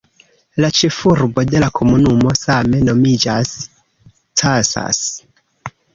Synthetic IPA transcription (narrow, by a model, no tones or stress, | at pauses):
lat͡ʃe̞fuɾbo̞de̞lakʰo̞munumo̞same̞no̞mid͡ʒas | tʰasa̰s